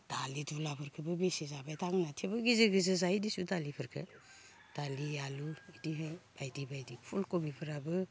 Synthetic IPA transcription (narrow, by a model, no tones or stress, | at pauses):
d̥alidulapʰɯɾkʰɯbɯbesizabajtʰaŋnatʰebɯɡizeɡizɯzaidisudalipʰɯɾkʰə̰ | d̥alialuidiɦab̥ajdibajdipʰulkobipʰɯɾabɯ